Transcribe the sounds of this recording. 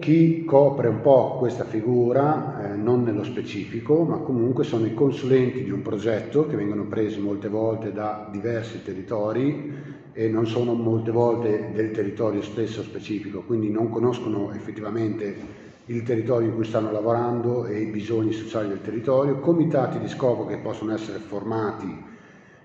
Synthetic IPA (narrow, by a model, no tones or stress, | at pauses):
k̟ikʰːɔːpɾeumpɔkwest̪afiɡuːɾanonːelːospet͡ʃiːfikomakːomuŋkwesoːnoikonsulɛnt̪id̪iumpɾod͡ʒɛt̪ːok̟evːɛŋɡonopɾeːzemolt̪evɔlt̪ed̪ad̪ivɛrsit̪erːit̪ɔːɾi | enːonsoːnomolt̪evɔlt̪ed̪elt̪erːit̪ɔːɾjost̪esːospet͡ʃiːfikokwind̪inoŋkonoskonoefːet̪ːivament̪e | ilt̪erːit̪ɔːɾjoikujst̪anːolavoɾand̪oejbizoɲːisot͡ʃaːlid̪elt̪erːit̪ɔːɾjokomit̪aːt̪id̪iskɔːpok̟epːɔsːonoɛsːeɾeformaːt̪i